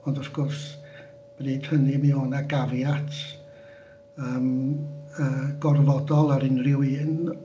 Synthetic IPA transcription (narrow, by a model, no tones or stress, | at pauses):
ɔndɔsɡ̥ɔrs | b̥riːd̥hənɨmɛɔnaɡavjatʰ | əːm | əːɡ̥ɔrvɔdɔlˠaɾɪnrɪwiːn